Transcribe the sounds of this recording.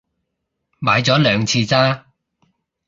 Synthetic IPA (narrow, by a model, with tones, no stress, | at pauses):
maː˨˧jt͡sɔː˨˥lœː˨˧ŋt͡sʰiː˧t͡saː˥